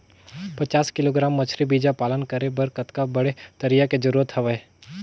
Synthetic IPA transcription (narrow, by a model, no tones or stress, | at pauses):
pɐt͡ʃaːskɪloɡɾaːmːɐt͡ʃʰɾibiːd͡ʒapaːlənkɐɾebɐɾkɐt̪kabɐɽet̪ɐɾijaked͡ʒɐɾuːɾət̪ɦɐʋəe